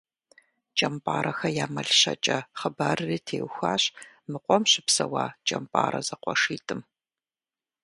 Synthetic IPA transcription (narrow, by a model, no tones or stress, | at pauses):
t͡ʃʼɐmpʼaːɾɐxɐjaːmɐɮɕɐ̰t͡ʃʼɐχəbaːrɨriːtʰeːwxʷaːɕ | mɨqʷʼɔmɕɪpsɐwaːt͡ʃʼɐmpʼa̰ːɾɐ̰zɐqʷɔʂiːtʼɨm